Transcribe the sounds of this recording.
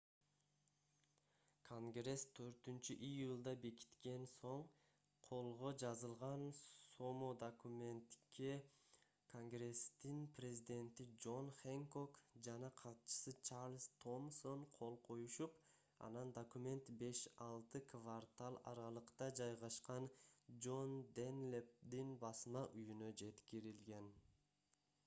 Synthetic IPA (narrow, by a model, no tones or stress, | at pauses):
kʰo̞ŋɡre̞st̪ʰøɾt̪ynt͡ʃyʔijulˠd̪ɑbe̞ki̥t̪ke̞nso̞ɴ | qʰo̞lˠʁo̞d͡ʒɑzɯlˠʁɑnsomod̪okumʲe̞nt̪ke | kʰo̞ŋɡre̞st̪inprʲezʲid̪ʲe̞nt̪id͡ʒo̞nχeŋko̞kd͡ʒɑnɑqʰɑt̪t͡ʃɯ̥sɯt͡ʃarlʲst̪ʰo̞mso̞nqʰo̞lˠqʰo̞juʃup | ɑ̰nɑnd̪okumʲe̞nt̪be̞ʃɑlˠt̪ɯkʰvart̪alˠɑ̰ɾɑlˠɯqt̪ɑd͡ʒɑjʁɑʃqɑnd͡ʒo̞nd̪enlʲep̚d̪inbɑsmɑʔyjynød͡ʒe̞t̪kiɾilɡe̞n